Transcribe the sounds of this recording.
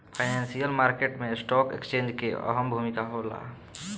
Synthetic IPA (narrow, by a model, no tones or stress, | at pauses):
pʰaɪnansijəlmaɾkeʈmesʈɔkḛkst͡ʃẽnd͡ʒkeə̰ɦəmbʱumikaɦola̰